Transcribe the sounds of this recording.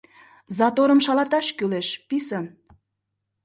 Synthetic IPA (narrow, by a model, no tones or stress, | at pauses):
zɑt̪oɾəmʃɑlɑt̪ɑʃkyleʃpisən